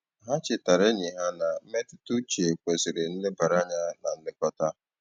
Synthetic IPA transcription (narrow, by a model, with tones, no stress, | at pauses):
ɦa˦t͡ʃɪ˨ta˨ɾe˦ɲɪ˨ɦa˦na˨m̩˦me˦tɪ˦tu˦t͡ʃe˨kʷe˨sɪ˨ɾɪ˨n̩˦lɪ˦ba˨ɾa˦ɲa˦na˨n̩˦dɪ˦kɔ˦ta˦